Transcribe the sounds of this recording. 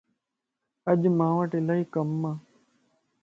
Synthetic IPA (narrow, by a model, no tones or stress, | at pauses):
əʄmãːʋəʈɪlaːɦiːkəmːãː